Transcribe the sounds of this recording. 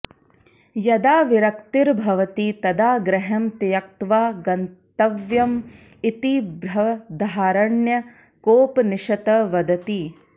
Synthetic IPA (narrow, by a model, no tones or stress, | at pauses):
jɐd̪aːʋiɾɐkt̪iɾbʱɐʋɐt̪it̪ɐd̪aːɡɾɐɦɐmt̪ijɐkt̪ʋaːɡɐnt̪ɐʋjɐm | it̪ibɾɐd̪ʱaːɾɐɳjɐ | koːpniʃɐt̪ɐʋɐd̪ɐt̪i